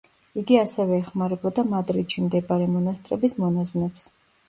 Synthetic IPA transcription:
iɡiasɛvɛːχmaɾɛbɔd̪amad̪ɾid̪ʃimd̪ɛbaɾɛmɔnast̪ʼɾɛ̰bismɔnazwnɛps

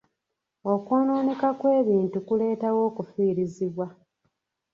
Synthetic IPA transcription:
o̞koːnoːnekakwe̞ːβiːntukule̞ːtawo̞ːkufiːɾiziβwa

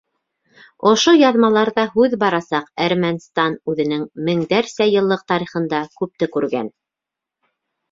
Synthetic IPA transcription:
ŏʃojɑðmɑlˠɑɾðɑɦʉðbɑɾɑsɑqæɾmænst̪ɑnʉðɘ̆nɘŋmɘ̆ŋd̪æɾsæjɤ̆lˠːɤq̚t̪ɑɾiχɤ̆nd̪ɑkʉp̚t̪ɘkʉɾɡæ̰n

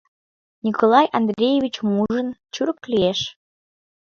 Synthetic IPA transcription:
nʲikolɑjɑnd̪ɾʲejeβʲit͡ɕmuʒənt͡ɕuɾəp̚klieʃ

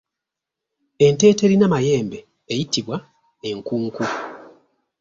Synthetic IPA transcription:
e̞nte̞ːte̞ɾinamaje̞ːmbe̞ː | jitiβwa | e̞ŋkuːŋku

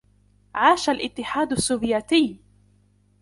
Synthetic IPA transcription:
ʕaːʃalʔɪt̪ːɪħaːd̪asːuːvjaːt̪ɪː

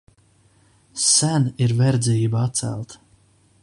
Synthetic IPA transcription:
sæniɾvɛɾd̪zʲiːbaat̪sæ̰lˠt̪

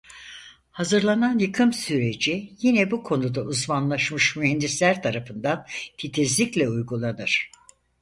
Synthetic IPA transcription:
hazɯɾlˠananjɯkʰɯmsyɾe̞d͡ʒijinɛbukʰo̞nud̪aʔuzmanlˠaʃmɯʃmyɦɛnd̪islʲæɾt̪ʰaɾafɯnd̪ant̪ʰit̪ʰizlʲiclʲɛujɡulˠanɯɾ̥

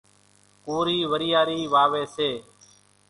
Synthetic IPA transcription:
koːɾiːʋəɾijaːɾiːʋaːʋeːseː

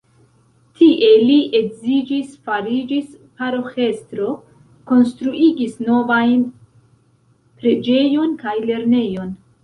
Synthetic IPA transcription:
tiʔe̞liʔe̞ɡzid͡ʒisfaɾid͡ʒis | paɾo̞xe̞stɾo̞ | ko̞nstɾuʔiɡisno̞vajn | pɾe̞d͡ʒe̞jo̞nkajle̞ɾne̞jo̞n

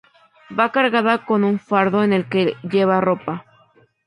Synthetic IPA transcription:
bakaɾɣaðako̞nuɱfaɾðoene̞lkeʎeβaro̞pa

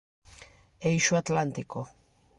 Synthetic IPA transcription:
ejʃuat̪lant̪iko

